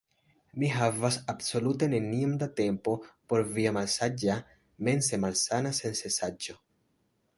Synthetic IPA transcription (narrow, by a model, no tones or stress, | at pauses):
miɦavasabso̞lute̞ne̞niomd̪ate̞mpo̞po̞ɾviamalsad͡ʒa | me̞nse̞malsanase̞nse̞sad͡ʒo̞